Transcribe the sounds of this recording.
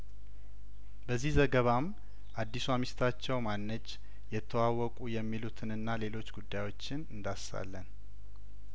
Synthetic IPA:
bəzːihzəɡəβam | ʔad̪ːisuamist̪ʰat͡ʃːɛwmanːəd͡ʒ | jɛt̪ʰːəwawɔkʼujɛmːilut̪ʰɨnɨnːale̞lo̞t͡ʃːɡud̪ːajwo̞t͡ʃːɪnɨnd̪asa̰lːən

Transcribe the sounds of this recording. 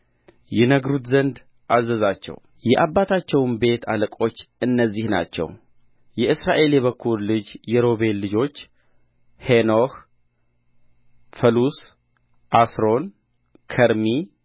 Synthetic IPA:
jɛnəɡɾut̪zənd̪ | ʔazəzat͡ʃːɛ̰w | jɛʔabːat̪ʰat͡ʃːɛwnbe̞t̪ʰaləkʼo̞t͡ʃːɨnːəzːihna̰t͡ʃːɛ̰w | jɛʔɨsɾaʔe̞ljɛβəkʰːuɾlɨd͡ʒjɛɾo̞βe̞lːɨd͡ʒo̞t͡ʃː | henoh | fəlus | ʔasɾo̞n | kʰəɾmi

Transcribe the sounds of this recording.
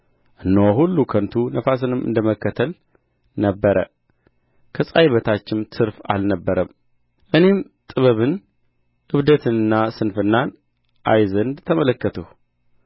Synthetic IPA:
ʔɨnːoɦulːukʰənt̪ʰunəfas̬ɨnɨmɨ̰nd̪əməkːət̪ʰəl | nəbːəɾə̰ | kʰəsʼajβət̪ʰat͡ʃːɪmt̪ʰɨɾfa̰lnəbːəɾəm | ʔɨne̞m | t̪ʼɨβəβɨn | ʔɨβd̪ət̪ʰɨnɨnːasɨnfɨnːan | ʔajzənd̪t̪ʰəmələkːət̪ʰuh

